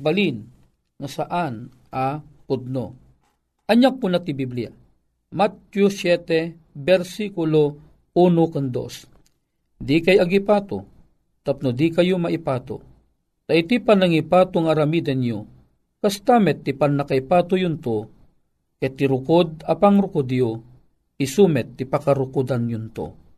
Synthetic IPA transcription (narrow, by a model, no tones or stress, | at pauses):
balin | ŋasaʔan | apʊd̪̚no̰ | ʔɐɲːak̚ːʊnat̪ibiblija̰ | mat̪jusjɛt̪ɛ | bɛɾsikʊlo | unokand̪o̰s | d̪ikajaɡipat̪o̰ | t̪ap̚nod̪ikɐjumaʔipaːt̪o̰ | t̪aʔit̪ipanaŋipaːt̪ʊŋaɾamid̪anjo | kast̪amɛt̪ːipanːakaipaːt̪ʊjʊnt̪o | kat̪iɾʊkod̪̚apaŋɾʊkʊd̪jo | isumɛt̪ːipakaɾʊkud̪anjʊnt̪o̰